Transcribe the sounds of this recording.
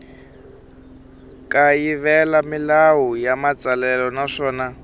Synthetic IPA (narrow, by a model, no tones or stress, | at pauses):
kʼajiβɛlamilawujamat͡salɛlɔnaʂɔːna